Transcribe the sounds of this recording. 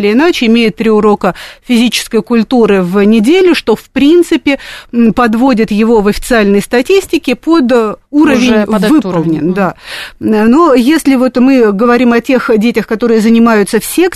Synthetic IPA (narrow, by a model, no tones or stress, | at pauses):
lʲɪɪnat͡ɕɪɪmʲejɪt̪ːɾʲiʊɾo̞kəfʲɪzʲit͡ɕɪ̥skəjkʊlʲt̪uɾɨvnʲɪdʲelʲʊʂt̪o̞fpɾʲint̪sɨpʲɪpɐd̪vodʲɪt̪jɪvo̞vɐfʲɪ̥t̪sɨalʲnəjst̪ɐtʲisʲtʲɪkʲɪpod̪uɾəvʲɪnvvɨpəlˠnʲɪnd̪a | nojesʲlʲɪvo̞t̪mɨɡəvɐɾʲimɐtʲe̞xdʲetʲɪxkɐt̪o̞ɾɨjəzənʲɪmajʊt̪səfsʲe̞k